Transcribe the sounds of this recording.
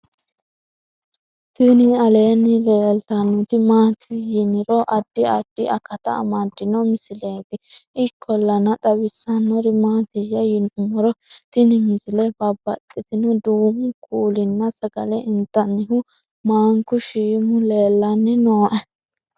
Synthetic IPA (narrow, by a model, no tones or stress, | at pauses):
t̪ɪnɪɐle̞ːnːɪleːlt̪ɐnːʊt̪ɪmaːt̪ʰɪjɪnɪɾɔʔɐd̪ːɪɐd̪ːɪɐkːɐt̪ɐ̰ːmɐd̪ːɪnɔmɪsɪle̞ːd̪ɪʔɪkʰːɔlːɐnɐt̪ʼɐwɪsːɐnːɔɾɪmaːt̪ɪjɐjɪnʊmɔɾɔt̪ɪnɪmɪsɪlɛbɐbɐt̪ʼːɪt̪ɪnɔd̪uːmʊkʼuːlɪnːɐsɐɡɐ̰lɛʔɪnt̪ːɐnːɪhʊ | maːŋkʊʃiːmʊle̞ːlːɐnːɪnoːʔɛ